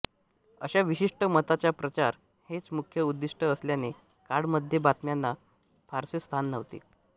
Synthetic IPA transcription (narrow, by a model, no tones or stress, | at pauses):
əɕaʋiɕiʂʈəmət̪at͡ɕjapɾət͡ɕaɾ | het͡smukʰjəud̪ːiʂʈəəsljane | kaɽməd̪ʱjebat̪mjanːa | pʰaɾsest̪ʰanːəʋt̪ḛ